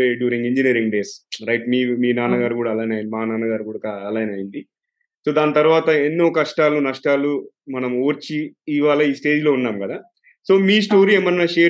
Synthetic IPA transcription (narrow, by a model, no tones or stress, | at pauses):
ɖjuːɾiŋɡiɲd͡ʒiniɐɾiŋɡɖe̞ːsɾɐjʈmiːmiːnaːnɐɡaːɾukuːɽaːlaːjnaːjind̪imaanaːnɐɡaːɾukuːɽaːaɐlaːjnɐːjind̪i | so̞ːd̪aːnɐt̪ɐɾuʋaːt̪ɐenːuɔkɐʂʈaːlunɐʂʈaːlu | mɐnɐmoːɾt͡ʃiːʋaːlɐiːsʈe̞ːd͡ʒlo̞ːunːaːmkɐd̪aː | so̞ːmiːsʈo̞ːɾiːemɐnnɐʃeː